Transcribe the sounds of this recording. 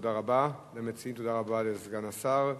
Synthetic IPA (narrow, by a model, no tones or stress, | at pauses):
daʁabalemet͡siimt̪od̪aʁabalezɡanasaʁ